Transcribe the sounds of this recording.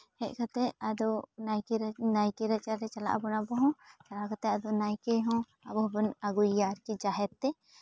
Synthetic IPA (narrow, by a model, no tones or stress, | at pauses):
hɛʔkʰat̪ɛad̪ɔnajknajkiɾat͡ʃaɾɾɛt͡ʃala̰ʔbɔnabɔɦɔ̃t͡ʃalaʔkat̪ɛad̪ɔnajkɛɦɔ̃ | abɔɦbɔnaɡuijaɾkid͡ʒaɦɛt̪ːɛ